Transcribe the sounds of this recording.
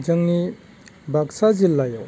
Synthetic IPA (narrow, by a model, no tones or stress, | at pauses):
d͡ʒɐŋni | bʱaksazilːajaw